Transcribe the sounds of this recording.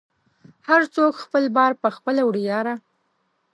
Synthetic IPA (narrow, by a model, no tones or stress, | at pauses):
haɾt͡sokxpəlbɑɾpəxpəlawɽijɑɾa